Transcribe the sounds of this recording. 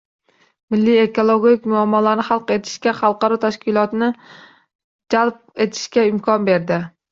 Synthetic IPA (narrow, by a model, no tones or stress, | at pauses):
mɪlːie̞kʰolˠoɡʲkʲmʊamːɒlaɾnɪχɑlˠqe̞t̪ʰɪ̥ʃkʲaχɑlˠqɑɾɒt̪ʰaʃkʲɪlˠɒt̪nɪ | d͡ʒalˠp̚e̞t̪ʰɪ̥ʃkʲaɪmkʰɒnbe̞ɾd̪ɪ